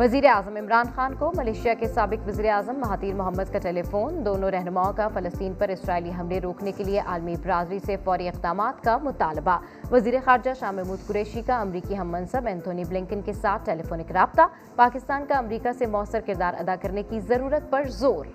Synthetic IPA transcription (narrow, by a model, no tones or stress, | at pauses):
ʋɐziːɾeaːzəmɪmɾaːnxaːnkomɐleːʃijakesaːbɪkʋɐziːɾeaːzəmːɐɦaːt̪iːɾmʊɦəmːəd̪̚kaʈeːlefoːnd̪oːnõɾɛɦnʊmaːõkafɐlɐst̪iːnpɐɾɪsɾaːiliɦɐmleɾoːknekelieʔaːlmibɾaːzɾisefɔːɾiɪqd̪aːmaːt̪kamʊt̪aːlɪba | ʋɐziːɾexaːɾd͡ʒaʃaːmɛɦmuːd̪̚kʊɾɛːʃikaɐmɾiːkiɦɐmːɐ̃nsəbɛ̃ːnt̪ʰoːniblɪ̃ŋkənkesaːt̪̚ʰʈeːlefoːnɪkɾaːb̚t̪a | paːkɪst̪aːnkaɐmɾiːkasemʊɐsːəɾkɪɾd̪aːɾʔɐ̰d̪akɐɾnekizɐɾuːɾət̪̚pɐɾzoːɾ